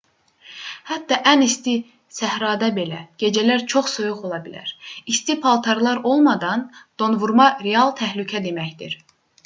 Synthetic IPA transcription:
hæt̪d̪ːɑʔænist̪i | sæhɾɑːd̪ɑbe̞læɟ̥e̞d͡ʒælæɾt͡ʃʰoχsojuχo̞lˠɑbilæ̰ɾist̪ipʰɑlˠt̪ʰɑɾlˠɑɾo̞lˠmɑd̪ɑnd̪̥o̞nvuɾmɑɾeɑlˠt̪ʰæhlycʰæd̪e̞mæçd̪ḭɾ̥

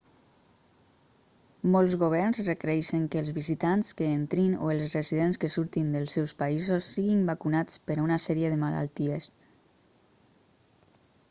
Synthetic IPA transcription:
mɔlˠzɣoβ̞ɛɾnzrekɾɛʃəŋkəːlˠzβizit̪anskəent̪ɾino̰elˠzrəziðenskəsuɾt̪ind̪əlˠsɛwspaizosːiɣimbakunat͡spəɾaunasɛɾieðəmala̰lˠt̪ies

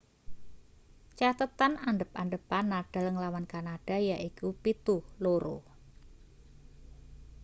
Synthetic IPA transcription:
t͡ʃat̪ət̪ananɖəp̚anɖəpanːaɖ̥a̤ləŋlawankanaɖ̥a̤jaʔikupit̪uhloɾo̰

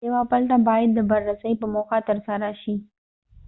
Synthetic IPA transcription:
ewapəlʈ̪abɑjad̪ːəbaɾːasəjpəmoxat̪əɾsaɾaʃi

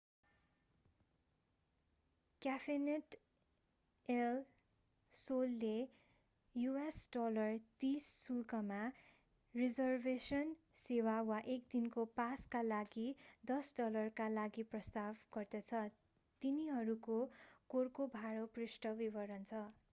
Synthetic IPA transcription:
kjapʰeneʈ | el | solːe | juesɖʌlʌrt̪isːulkʌma | rid͡zʌrbʱesʌn | sewawaʔekd̪inkopaskalaɡid̪ʌsɖʌlʌrkalaɡiprʌst̪abɡ̥ʌrd̪ʌt͡sʰʌ | t̪iniɦʌɾukokorkobʱaɽoprisʈʌbibʌɾʌnt͡sʰʌ

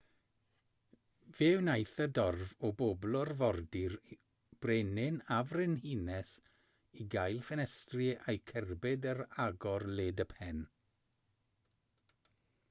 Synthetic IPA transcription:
vewnajθədɔrvɔboblˠɔrvɔrdɪr | b̥renɪnavrɪnhinɛs | iɡajlˠfɛnɛstrɪejkʰɛrbɪdəɾaɡɔrleːdəpʰɛn

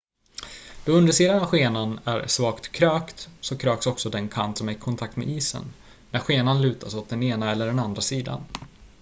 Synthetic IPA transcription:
d̪̥ɔɵnd̪əʂiːd̪anavɧeːnanæ̰ɾʂvɑːkt̪kʰɾøːkt̪sɔkʰɾøːksɔksɔd̪ɛnkʰa̰nt̪sɔmɪkʰɔnt̪ʰakt̪mɛ̰ʔiːsə̰nː | æɾɧeːnanlʉ̟ːt̪ʰasɔt̪̚d̪ɛneːnaɛlːəɖɛnand̪ɾasiːd̪a̰n

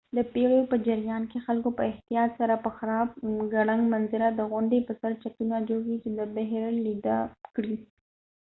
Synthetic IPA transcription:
d̪əpeɭopəd͡ʒaɾjɑnkexalkopəɪht̪ijɑt̪saɾapəxaɾɑb̚ɡaɽaŋɡmanzɪɾad̪əɣʊɳɖepəsaɾt͡ʃat̪unad͡ʒoɡit͡ʃed̪əbaɦɾalid̪akɽi

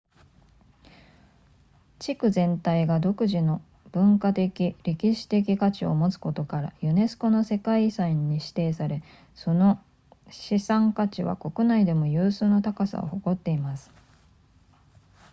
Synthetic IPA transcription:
t͡ɕikɯ̟zẽ̞nt̪aiɡad̪o̞kɯ̟ʑino̞ | b̥ɯ̟̃ŋkat̪e̞kʲiɾe̞kʲiɕi̥t̪e̞k̬ʲikat͡ɕio̞̰mo̞t͡sɨ̥ko̞t̪o̞kaɾa̰jɯ̟ne̞sɨ̥ko̞no̞se̞kaisaĩɲ̟ːiɕi̥t̪e̞ːsaɾe̞ | so̞no̞ | ɕisãŋkat͡ɕiβa̰ko̞kɯ̟naid̪e̞mo̞jɯːsɨːnot̪akasa̰oho̞ko̞t̪ːe̞imasɨ̥

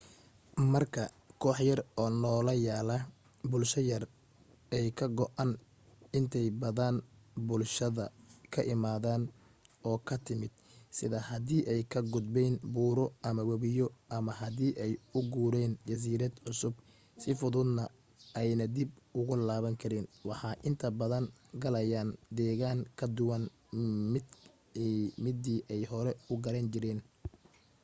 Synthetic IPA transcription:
mɐrkʰɐ | kʰɔːħjɐrɔːnɔːlɐjaːlɐ | bʊlʃɐjɐr | ɛjkʰɐɡɔʔɐn | ɪnt̪ʰɛjbɐðaːnbʊlʃɐðɐkʰɐʔɪmaːðaːn | ʔɔːkʰɐt̪ʰɪmɪd̪̥ | sɪðɐhɐðiːʔɛjkʰɐɡʊd̪bɛːnbuːɾɔʔɐmɐwɐβɪjɔʔɐmɐɦɐðiːʔɛjʊɡuːɾɛːnt͡ʃɐs̬iːɾɐd̪ʕʊsʊb | sɪfʊðʊd̪nɐ | ɛjnɐd̪ibʊɣʊlaːβɐŋkʰɐɾinwɑħɑːʔɪnt̪ʰɐbɐðɐŋ | ɡɐlɐjaːnd̪ɛːɣaːŋkʰɐd̪ʊwɐn | ɪ | mɪd̪iːʔɛjɦɔɾɛʊɡɐɾɐnt͡ʃɪɾɛːn

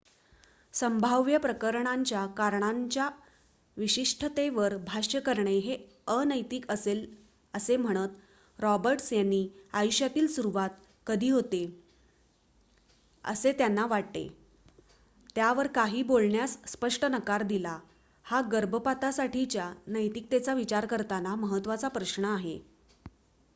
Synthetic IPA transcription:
səmbʱaʋjəpɾəkəɾɳ̃aɲt͡ɕjakaɾɳ̃aɲt͡ɕja | ʋiɕiʂʈʰət̪eʋəɾbʱaɕjəkəɾɳeɦe | ənəjt̪iːkəsel | əsem̤əɽ̃ət̪ | ɾɔbəɾʈsjanːiːajuɕjat̪iːlsuɾuʋat̪̚ | kəd̪ʱiːɦot̪e | ə̰set̪janːaʋaʈ̚t̪ḛ | t̪jaʋəɾkaɦiːbolɳjasːpəʂʈənəkaɾd̪ila | haɡəɾbʱəpat̪asaʈit͡ɕjanəjt̪ik̚t̪et͡saʋit͡ɕaɾkəɾt̪anaməɦət̪ːʋat͡sapɾəɕɳəaɦḛ

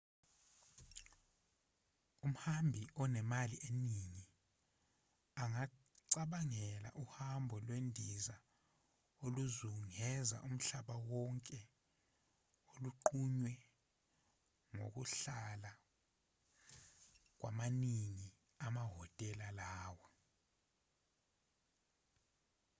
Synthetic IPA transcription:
um̩hambʱiɔnɛmaliʔeniŋi | aŋa | ǀaɓaŋɛla̰ʔuhambʱɔlwendʱiza | oluzuŋɛza̰ʔum̩ɬaɓawɔŋkʼɛ | oluǃuɲwɛ | ŋo̰k̬uɬala | k̬wʔamaniŋi | amaɦɔtʼɛlalaːwɛ

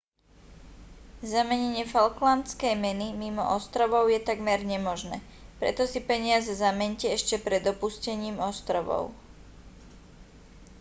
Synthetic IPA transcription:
zamɛɲɛɲɪɛfalklant͡skɛjmɛnimimɔ̰ʔɔst̪ɾɔʋɔʊjɛt̪aɡmɛɾɲɛmɔʒnɛ̰ː | pɾɛ̰t̪ɔsipɛɲɪazɛzamɛɲcɛɛʃcɛpɾɛd̪ɔpuscɛɲiːmɔst̪ɾɔʋɔ̰ʊ

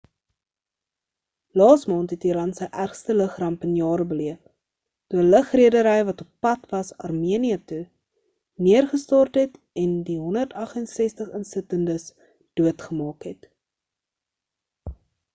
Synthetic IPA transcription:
lɑːsmɑːntɦɛtiɾɐntsəjʔærχstələχrɐmpənjɑːɾəbəliəp | tuələχriədəɾəjvɐtopːɐtvɐsɐ̰rmiəniɐtu | niərχəstɑːrtɦɛt | ɛndiɦɔndərtɐχənsɛstəχənsətəndəs | d̥uətχəmɑːkɦɛt

